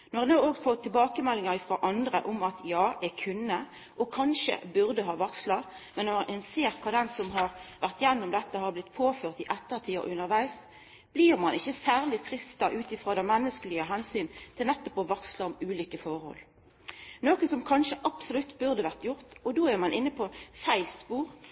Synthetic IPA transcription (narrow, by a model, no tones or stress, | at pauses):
nɔʁɛnɑːoːɡfɔt̪ʰːɪlbɑːkəmɛlːɪŋɑʁɪfʁoːʔɑnd̪ʁəʔʊmɑt̪jɑːækʰʉnːə | ʔɔkʰɑnʃə̰bʉʁd̪əɦɑːʋɑkslɑ | mɛnːɔɛnseːʁkʰɑːd̪ɛnsɔmɦɑʁʋæʁt̪jɛnːɔmd̪ɛt̪ːəhɑʁblɪt̪ːpʰoːføːʁt̪ɪʔɛt̪ːəʁt̪ʰiːɔ̰ʔʉnːəʁʋæɪs | b̥liːʁmɑnɪçːəsæːʁlɪfʁɪst̪ɑʔʉːt̪ɪfɾoːd̪ɛnmɛnːəskəlɪəɦɛnsyːnt̪ʰɪlnɛt̪ːɔpɔʋɑkslɑɔmʉːliːkəfɔʁhɔ̰l | noːkənsɔmkʰɑnʂəʔɑpsɔlʉt̪ːbʉʁd̪əʋæʁt̪jʊʁt̪ɔd̪oːæʁmɑnʔɪnːəpʰɔfæɪlspuːʁ